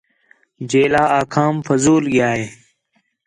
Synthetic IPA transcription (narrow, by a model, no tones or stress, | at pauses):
d͡ʑeːlaːaːkʰaːmfɐzuːlɡjaːeː